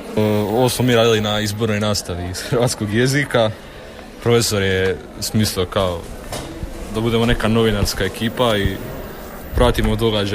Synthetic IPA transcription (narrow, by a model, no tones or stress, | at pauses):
əo̞ʋosmo̞miːɾaːd̪ilinaizbo̞ɾno̞jnaːst̪aʋiːz̥xɾ̩ʋaːt̪sko̞ɡje̞zika | pɾo̞fe̞so̞ɾje | usmiːslˠiokao | d̪abud̪e̞mo̞ne̞kano̞ʋinaɾskae̞kiːpai | pɾaːt̪imod̪o̞ɡad͡ʒa